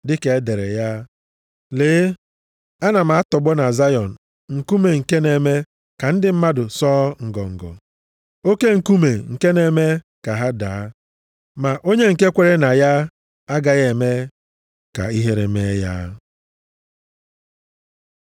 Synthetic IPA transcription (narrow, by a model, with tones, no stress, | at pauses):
dɪ˦ke˨˦de˨ɾe˨ja˦ | leː˨˦ | a˦na˨m̩a˨a˦tɔ˨ɡ͡bɔ˦na˨za˦jɔ˨n̩˨ | ŋ̩˨ku˦me˨ŋ̩˨ke˦ne˨me˦ | ka˨n̩˦dɪ˨m̩˦ma˦dʊ˨sɔː˦ŋ̩˨ɡɔ̰˨ŋ̩˨ɡɔ̰˨ | o˦ke˦ŋ̩˨ku˦me˨ŋ̩˨ke˦ne˨me˦ | ka˨ɦa˦daː˨˦ | ma˨ʔo˦ɲe˦ŋ̩˨ke˦kʷe˨ɾe˦na˨ja˦ | a˦ɡa˨ɣe˨me˦ | ka̰˨i˦ɦe˦ɾe˨me˦ja̰˦